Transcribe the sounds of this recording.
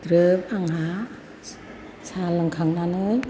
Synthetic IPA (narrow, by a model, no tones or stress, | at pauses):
d̪ɾɯp̚aŋɦa | sʰalaŋkʰaŋnanɯj